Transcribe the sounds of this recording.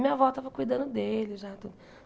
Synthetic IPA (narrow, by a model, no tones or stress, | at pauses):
mĩɲɐvɔt̪avɐkujd̪ɐ̃nd̪ʊd̪elɪʒat̪ud̪